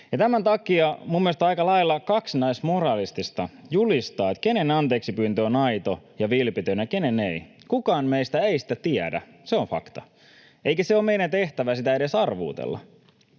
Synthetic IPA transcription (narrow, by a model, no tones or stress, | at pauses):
jɑt̪æmænt̪ɑkiɑmumːiest̪ɑjkɑlɑilːɑkɑksnæismorɑːlist̪ist̪ɑjulist̪ɑːet̪ke̞nenɑnt̪e̞ːksipyːnt̪øːnɑjt̪ojɑʋilpit̪ønjɑkenenei | kukɑːnmeist̪æeisi̥t̪æt̪iædæ̰ | seoɱfɑ̰kt̪ɑ | eikæseoːmeiɾænt̪e̞ht̪æʋæsit̪æeɾesɑrʋṵːt̪ḛlːɑ̰